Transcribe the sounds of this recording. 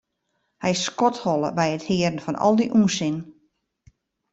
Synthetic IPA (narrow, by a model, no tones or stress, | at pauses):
hɛjskɔthɔlˠə̰bɛjəthɪəɾn̩fɔnɔ̰lˠdiʔuːnsɪn